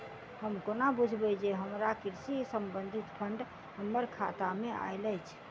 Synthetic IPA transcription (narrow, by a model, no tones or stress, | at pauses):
həmkonabud͡ʒʱbəd͡ʒeɦəmɾakiɾsisəmbənd̪ʱit̪pʰəɳɖ | həmːəɾkʰat̪amea̰jlət͡ʃʰ